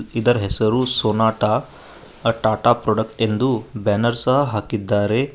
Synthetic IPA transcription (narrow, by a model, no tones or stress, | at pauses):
lid̪ɐɾɐɦɛsɐɾusoːnaːʈa | ʈaːʈaːpɾoɖɐk̚ʈend̪ubaːnɐɾsɐɦɐɦaːkid̪ːaːɾe